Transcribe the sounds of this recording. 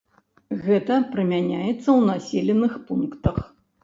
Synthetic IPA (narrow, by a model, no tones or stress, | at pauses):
ɣɛt̪ɐpɾɨmʲanʲajɛt̪sːɐwnasʲelʲɛnɨxpunkt̪ɐx